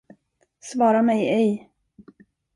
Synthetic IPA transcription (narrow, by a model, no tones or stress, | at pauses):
svɑːɾamɛjɛj